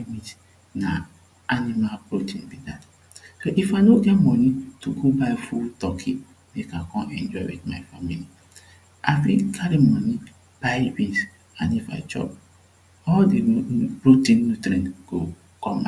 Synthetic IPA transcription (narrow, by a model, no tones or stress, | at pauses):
mit | na | animalbɾotĩnbidat | soʔifanoɡɛtmɔ̃nituɡobaɪfultɔkʰḭ | mekakɔ̃nɛ̰̃nd͡ʒɔɪwḭtmaɪfamili | a̰fḭ̃kʰaɾimɔ̃ni | b̥ajbis | ãnifa̰ɪt͡ʃɔ̰p̚ | ɔldebɹotĩnːutɾĩnɡ̥o | kɔ̃ma